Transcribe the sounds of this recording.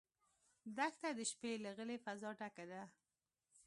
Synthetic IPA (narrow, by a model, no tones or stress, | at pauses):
d̪akt̪ad̪əʃpelaɣəlefazɑʈakad̪a